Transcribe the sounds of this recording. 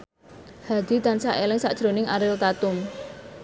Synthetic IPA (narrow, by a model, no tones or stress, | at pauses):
had̪̥i̤d̪ansaʔelɪŋsa̰ʔd̥ʒ̥ɾonɪŋaɾɪlt̪at̪ʊm